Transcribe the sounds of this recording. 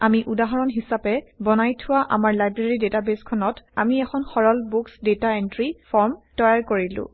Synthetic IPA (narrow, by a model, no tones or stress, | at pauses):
amiʔudaɦɔɹɔnɦisapɛbɔnajtʰʊwaʔa̰maɹlajbɹeɹidetabeskʰɔnɔtamiɛxʰɔnxɔɹɔlbuksdetaentɹifʰɔɹmtɔjaɹkoɹilʊ̰̃